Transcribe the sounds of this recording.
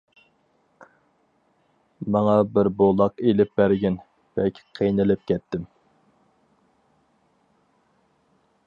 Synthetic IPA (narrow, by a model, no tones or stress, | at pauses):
mɑŋɑbɪɾbolˠɑqelɪp̚bæɾɡʲɪn | b̥ɛkʲʰqʰejnɨlɪp̚kʲɛt̪ʰːɪm